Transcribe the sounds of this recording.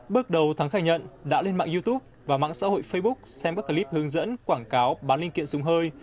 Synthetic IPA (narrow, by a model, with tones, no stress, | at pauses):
ɓɨ˦˥ək̚ɗə˨˩wt̪ʰa˨˦ŋxaː˧˩ɲə̰˧˨nɗa̰ː˧˥le˧nma̰ː˧˨ŋzi˧t̪u˦˥p̚vaː˨˩ma̰ː˧˥ŋsa̰ː˧˥ho̰˧˨jfə˧jɓʊ˦˥k̚sɛ˧mkaː˦˥ka˧˩li˦˥p̚hɨ˨˦əŋzə̰˧˥nkwaː˧˩ŋkaː˨˦wɓaː˨˦li˧ŋkḭ˧˨ənsʊ˨˦ŋ͡mɦəː˧j